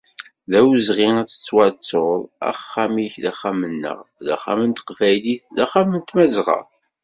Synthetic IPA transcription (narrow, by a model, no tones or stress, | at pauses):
ðæwzʁiæt͡sːə̥t͡sːwɑɾt͡sːoɾˤæ̰χːæmiçðæχːæmənːə̰ʁðæ̰χæ̰mənt̪ə̥qvæjliθðæχːæmənt̪mæzʁə̰ˤ